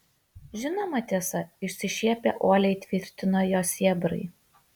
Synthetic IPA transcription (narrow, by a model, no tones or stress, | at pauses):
ʒʲɪnomɐt̪ʲiɛsɐɪʃʲsʲɪʃʲiɛpʲḛʔoːlʲɛɪt̪ʲʋʲɪɾʲt̪ʲɪnoːjoːsʲiɛbɾɐ̰ɪ